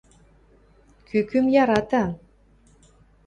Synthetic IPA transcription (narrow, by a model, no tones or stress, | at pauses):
kʰykymjɑɾɑt̪ɑ